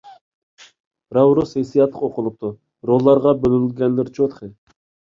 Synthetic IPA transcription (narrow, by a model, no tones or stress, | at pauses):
ɾɑwɾosesijɑt̪lˠə̥̰qoqʰʊlˠʊq̚t̪ʊ | ɾolˠːɑɾʁɑbølynylɡʲɛnlɪɾt͡ʃʰot̪χɨ